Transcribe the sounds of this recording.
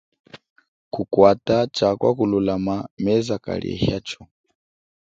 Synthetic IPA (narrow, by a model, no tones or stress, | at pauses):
kukwatat͡ʃakwa̰kululamamɛzaka̰liɛ̰hjat͡ʃɔ